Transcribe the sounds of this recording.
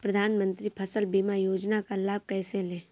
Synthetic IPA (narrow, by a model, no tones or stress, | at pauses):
pɾəd̪ʱaːnmə̃nt̪ɾipʰɐsəlbiːmajoːd͡ʒnakalaːb̚kɛːselẽː